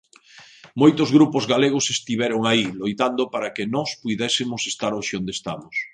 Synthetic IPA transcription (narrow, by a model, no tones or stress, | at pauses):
mojt̪ʊzɣɾupʊzɣaleɣ̞ʊsest̪iβɛɾoŋailojt̪and̪ʊpaɾɐkɪnɔspuðɛsɪmʊsest̪aɾoʃɪond̪est̪amʊs